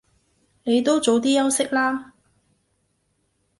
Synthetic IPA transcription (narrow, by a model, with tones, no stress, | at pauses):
ne˨˧jt̪o˥wt͡so˨˧wt̪̬iː˥jɐ˥wsɪ˥k̚laː˥